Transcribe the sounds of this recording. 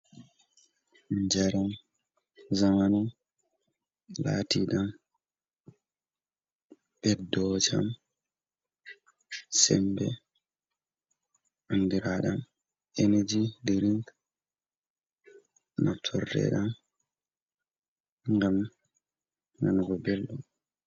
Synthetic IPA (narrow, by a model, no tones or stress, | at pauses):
ɲd͡ʒaɾan | zamanu | la̰ːtiɗam | ɓɛdɔd͡ʒam | sɛmbɛ | ʔandiɾaɗam | ened͡ʒidiɾiŋk | natʰɔrdɛ̰ɗam | ŋɡam | nanɡɔbɛlːɔ